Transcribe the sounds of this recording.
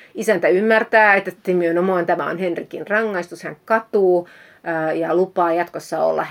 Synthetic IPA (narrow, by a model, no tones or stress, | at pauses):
isænt̪æymːært̪æːet̪ːˑet̪ːemyønomoɑnt̪æmæo̰nhenrikinrɑŋːɑist̪ushæŋkkɑt̪uː | jɑlupɑːjɑt̪kosːɑo̰lːɑ̰